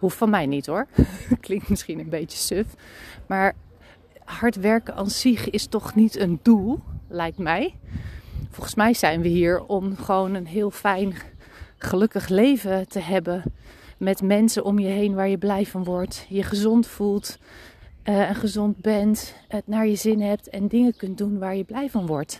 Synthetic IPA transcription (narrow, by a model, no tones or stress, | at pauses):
ɦuffɑnmɛjnitɦʊːɹklɪŋk̚tmɪsχinənbejtə̥søfmaːɹ | ɦɑɹtʋɛɹkəʔɑnsiχɪstɔχnitəndulˠlɛjk̚tmɛj | fɔlˠχənsmɛjz̥ɛjnʋəɦiːɹɔmχəʋownənɦɪːlˠfɛjn | χəlɵkəχlejvətəɦɛbənmɛtmɛnsənʔɔmjəɦejnʋaːɹjəblɛjvɑnʋɔɹtjəχəzɔntfulˠt | ɛnχəzɔnd̚bɛntənaːɹjəzɪnɦɛp̚tɛndɪŋəkɵntdunʋaːɹjəblɛjvɑnʋɔɹt